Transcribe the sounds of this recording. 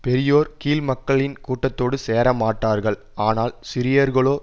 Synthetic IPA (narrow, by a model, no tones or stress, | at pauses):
pɛɾɪjoːɾkiːlmɐkːɐɭɪnkuːʈːɐt̪ːoːɽɯseːɾɐmaːʈːaːɾɣɐɭ | aːnaːlsɪɾɪjɐɾɣɐɭoː